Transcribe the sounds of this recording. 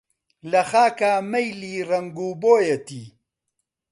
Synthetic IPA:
lɐχaːkaːmɐjliːrɐŋɡuːboːjet̪iː

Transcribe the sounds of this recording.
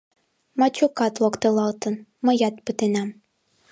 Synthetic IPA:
mɑt͡ɕokɑt̪lŏkt̪elɑlt̪ɤ̆nmɤ̆jɑt̪̚pət̪enæm

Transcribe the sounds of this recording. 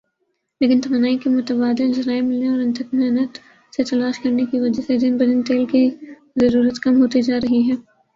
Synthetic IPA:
leːkɪnt̪ɐmanaːikimʊt̪əbaːd̪ɪnd͡ʒɐɾaːemɪlneɔːɾɐ̃nt̪əkmɛːnət̪ | set̪ɐlaːʃkɐɾnekiʋɐd͡ʒəsed͡ʒɪnbɐdɪnt̪eːlki | zɐɾuːɾət̪kɐmɦoːt̪id͡ʒaːɾɐɦiɦɛ̃ː

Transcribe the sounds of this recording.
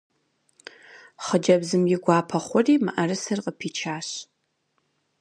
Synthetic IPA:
χəd͡ʒɐbzɨmjɪɡʷɑːpʰɐχʷɔriːmɨ̰ʔɐrɨsɨrqəpʰiːt͡ʃʰaːɕ

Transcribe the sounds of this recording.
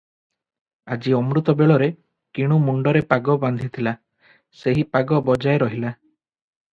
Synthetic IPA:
ad͡ʒiɔmɾut̪ɔbeɭɔɾe | kiɽ̃umuɳɖɔɾepaɡɔband̪ʱit̪ʰila | seɦipaɡɔbɔd͡ʒaeɾɔɦila

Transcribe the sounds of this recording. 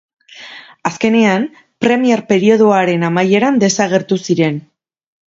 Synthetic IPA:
aske̞ne̞am | pɾe̞mieɾpe̞ɾio̞ð̞oaɾe̞namaje̞ɾand̪e̞saɣ̞e̞ɾt̪usiɾe̞n

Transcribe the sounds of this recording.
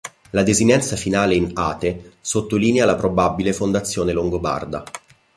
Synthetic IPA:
lad̪ezinɛnt̪safinaːleina̰ːt̪esot̪ːoliːnealapɾobabːilefond̪at̪sːjoːneloŋɡoba̰rd̪a̰

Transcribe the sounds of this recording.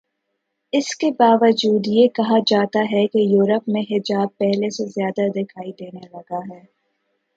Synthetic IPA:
ɪskebaːʋəd͡ʒuːd̪jekɐɦad͡ʒaːt̪aɦɛkejuːɾəpmẽɦɪd͡ʒaːb̚pɛɦlesezjaːd̪ad̪ɪkʰaːid̪eːnelɐɡaɦɛː

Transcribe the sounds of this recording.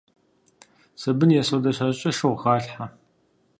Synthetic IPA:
sɐbɨnjɛsodɐɕɐɕʼɐʂɨwʁɑːɬħa

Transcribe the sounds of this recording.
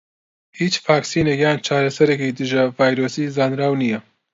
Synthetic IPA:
hiːt͡ʃfaːksiːnekjaːnt͡ʃʰaːɾɐsɐɾeːkid̪ɨʒɐvaːjɾoːsizaːnɾaːwnijɐ

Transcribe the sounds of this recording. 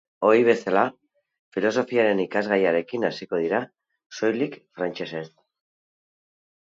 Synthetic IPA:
o̞ɾiβ̞e̞sala | filo̞so̞fiaɾe̞nikazɣajaɾe̞kinasikoð̞iɾa | so̞jlikfɾant͡ʃe̞se̞s

